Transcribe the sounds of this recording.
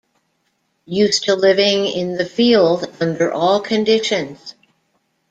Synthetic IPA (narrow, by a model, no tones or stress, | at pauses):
jʉstʰəlɪvɪ̃ŋɪ̃nðɨfilˠdʌ̃ndə˞ʔɔlˠkʰɨ̃ndɪʃɨ̃nz̥